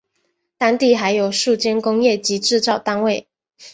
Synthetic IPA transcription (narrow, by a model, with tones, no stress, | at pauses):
t̪a˥ŋt̪i˥˨xa˧˥ɪjo˨˩ʊʂu˥˩t͡ɕjɛ˥nkʊ˥ŋjɛ˥˩t͡ɕi˨˥ʈ͡ʂɻ̩˥˧t͡sɑ˥˨ʊt̪a˥nwe˥˨ɪ